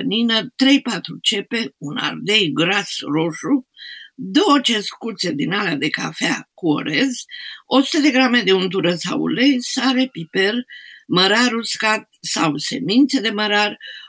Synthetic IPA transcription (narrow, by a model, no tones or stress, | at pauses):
ninət̪ɾe̞jpat̪ɾut͡ʃe̞pe̞una̰rd̪e̞jɡɾasro̞ʃu | d̪o̞wət͡ʃe̞skut̪se̞d̪inalead̪e̞kafakuo̞̰ɾe̞zo̞su̥t̪əd̪e̞ɡɾame̞d̪e̞unt̪̬uɾəsa̰w̰le̞jsaɾe̞pipe̞rməɾaɾuskat̪̚sawse̞̰mint̪se̞d̪e̞məɾar